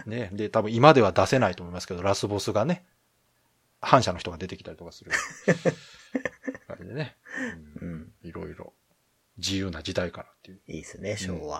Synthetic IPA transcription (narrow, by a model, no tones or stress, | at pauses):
ne̞d̪e̞t̪abɯ̟̃imad̪e̞βad̪ase̞nait̪o̞ːmo̞imasɨ̥ke̞d̪o̞ɾasɨbo̞sɨɡane̞ | hãɰ̃ɕano̞çi̥t̪o̞ɡad̪e̞t̪e̞kʲi̥t̪aɾi̥t̪o̞kasɨɾɯ̟ | ɡa̰id̪e̞ne̞ɯ̃iɾo̞iɾo̞̰ | d͡ʑijɯːnad͡ʑid̪aikanat̪ːejɯiːsɨneɕoːa̰